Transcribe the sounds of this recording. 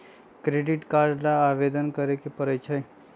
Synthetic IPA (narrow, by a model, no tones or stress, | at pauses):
kɾeɖiʈkaɾɖnaːʋed̪ənkəɾekepəɾət͡ʃʰəj